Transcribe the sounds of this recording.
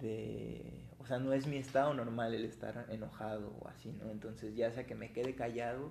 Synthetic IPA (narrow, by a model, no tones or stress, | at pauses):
ðḛ | o̞seano̞e̞zmie̞st̪aðo̞no̞ɾmale̞le̞st̪a̰ɾe̞no̞xað̞o̞̰o̰a̰sino̞̰ent̪o̞nse̞zʝase̞ake̞me̞ke̞ðe̞kaʝað̞o̞